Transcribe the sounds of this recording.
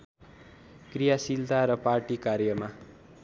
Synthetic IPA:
krijasilt̪aɾʌparʈikarjʌma

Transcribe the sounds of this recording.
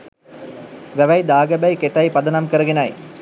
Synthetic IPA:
ʋæʋæjd̪aːɡəbæjket̪ɐjpɐd̪ɐnɐmkəɾəɡenɐj

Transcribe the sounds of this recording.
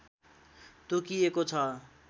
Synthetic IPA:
t̪okiekot͡sʰʌ

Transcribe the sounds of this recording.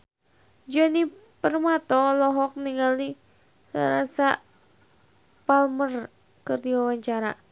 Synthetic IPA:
d͡ʒɔnipərmat̪ɔlɔɦɔk̚niŋɡali | a̰ɾasa | palmər | kɨrdiwawaɲt͡ʃaɾa

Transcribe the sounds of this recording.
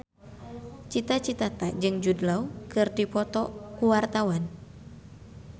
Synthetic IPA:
t͡ʃit̪at͡ʃit̪at̪ad͡ʒɨŋd͡ʒudlaukɨrdipɔt̪ɔkuwart̪awan

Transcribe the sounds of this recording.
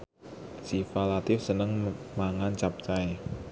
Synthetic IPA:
sifalat̪ɪfsənəŋmaŋant͡ʃap̚t͡ʃaj

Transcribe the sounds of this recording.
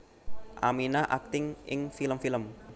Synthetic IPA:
ʔa̰minaʔak̚t̪ɪŋʔɪ̰ŋfiləmfiləm

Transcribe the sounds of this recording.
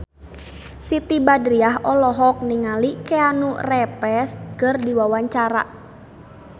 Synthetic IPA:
sit̪ibadɾiaɦɔlɔɦɔk̚niŋalikɛanurɛpɛskərdiwawaɲt͡ʃaɾa̰

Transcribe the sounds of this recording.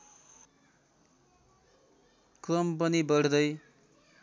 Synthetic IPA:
krʌmp̬ʌnibʌɽd̪ʌj

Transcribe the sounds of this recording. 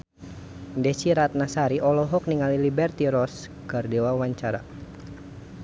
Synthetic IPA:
dɛsiɾat̪̚nasaɾiʔɔlɔɦɔk̚niŋalilibɛrt̪iɾɔs | kɨrdɛwawaɲt͡ʃaɾa̰

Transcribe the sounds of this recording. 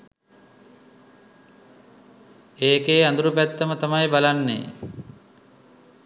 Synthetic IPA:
eːkeːand̪uɾupæt̪ːəmət̪amajbalanːḛː

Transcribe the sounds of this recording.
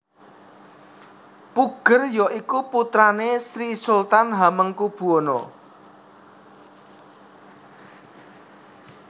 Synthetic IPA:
puɡ̥ərjɔʔikuput̪ɾanesɾisult̪anɦaməŋkub̥uɔnɔ̰

